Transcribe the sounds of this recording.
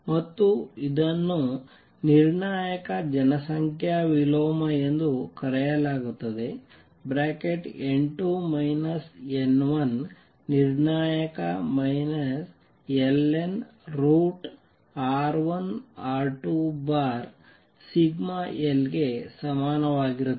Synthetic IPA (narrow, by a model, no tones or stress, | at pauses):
mɐt̪ːuid̪ɐnːu | niɾɳaːjɐkɐd͡ʒɐnɐsɐŋkʰjaʋiloːmɐend̪ukɐɾɛjɐlaːɡut̪ːɐd̪e̞ | bɾaːkeʈeɳʈumɐjnɐsenʋɐnː | iɾɳaːjɐkɐmɐjnɐs | elːen | ɾuːʈ | aːɾʋɐnaːɾʈubaːɾ | siɡmaelɡesɐmaːnɐʋaːɡiɾut̪ːe